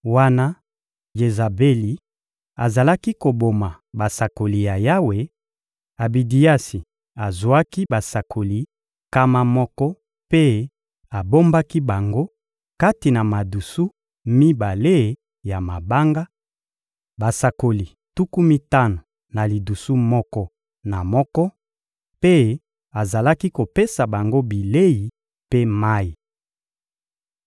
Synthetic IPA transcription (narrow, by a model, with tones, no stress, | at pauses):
wa˦na˦ | je˨za˨be˦li˨ | a˨za˨la˦ki˦ko˨bo˨ma˨ | ba˨sa˨ko˨li˨ja˨ja˦we˨ | a˨bi˨di˨ja˦si˨ | a˨zwa˦ki˦ba˨sa˨kʰo˨li˨ | ka˦ma˨mɔ˦kɔ˦ | pe˦ | a˨bo˦mba˦ki˦ba˨ŋɡo˦ | ka˦ti˨na˨ma˨du˨su˦ | mi˦ba˨le˦˨ | ja˨ma˨ba˦ŋɡa˦ | ba˨sa˨ko˨li˨ | tu˦ku˦mi˦ta˦no˨ | na˨li˨du˨su˦mɔ˦kɔ˦ | na˨mɔ˦kɔ˦ | pe˦ | a˨za˨la˦ki˦ko˨pe˦sa˨ba˨ŋɡo˦bi˨le˦ji˨ | pe˦ma˦i˨